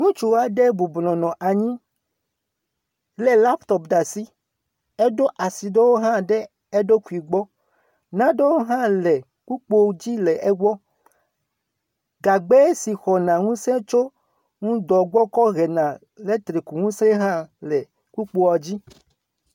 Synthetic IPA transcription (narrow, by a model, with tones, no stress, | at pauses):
ŋũ˦t͡ʃu˨wa˨ɖe˦bu˨blɔ̃˨nɔ̃˨ʔa˨ɲĩ˦ | lɛ˦la˦pt̪ɔ˦pɖa˨si˦ | e˦ɖo˦ʔa˨si˨ɖe˦wo˦ɦã˦ɖɛ˦ | e˦ɖo˦ku˨i˨ɡ͡bɔ˦ | nã˦ɖe˦wo˦ɦã˦lɛ˨ | ku˦k͡po˦d͡ʑi˦lɛ˨ʔɛ˦ɡɔ˦ | ɡa˨ɡ͡be˦si˨xɔ˨nã˨ŋũ˦sẽ˦t͡ʃo˦ | ŋũ˦d̪ɔ˨ɡ͡bɔ˦kɔ˦ɣɛ˨nã˨ | le˦t̪ɾe˨ku˨ŋũ˦sẽ˦ɦã˦lɛ˨ | ku˦k͡po˦wa˨d͡ʑi˦